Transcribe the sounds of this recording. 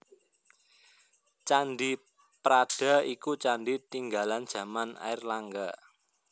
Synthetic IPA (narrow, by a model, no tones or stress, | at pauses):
t͡ʃanɖi | pɾaɖ̥a̤ikut͡ʃanɖit̪iŋɡaland̥ʒ̥ä̤mana̰ɪrlaŋɡa